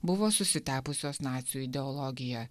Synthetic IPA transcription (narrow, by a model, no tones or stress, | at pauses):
bʊʋoːsʊsʲɪt̪ʲæːpʊsʲoːsnɑːt̪ʲsʲɪjuːɪd̪ʲɛɔlˠɔɡʲɪjɛ